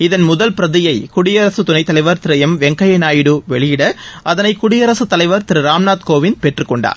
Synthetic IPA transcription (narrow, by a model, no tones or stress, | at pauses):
ɪðɐnmʊðɐlpɪɾɐðɪjɐɪkʊɽɪjɐɾɐsɯt̪ʊnɐɪt̪ːɐlɐɪʋɐɾt̪ɪɾɐjɐmʋɛŋkɐjɐɪnaːjɪɽɯʋɛɭɪjɪɽɐʔɐðɐnɐɪkʊɽɪjɐɾɐsɯt̪ːɐlɐɪʋɐɾt̪ɪɾɯɾaːmnaːt̪koːʋɪnpɛʈrɯkːɔɳɖa̰ːɾ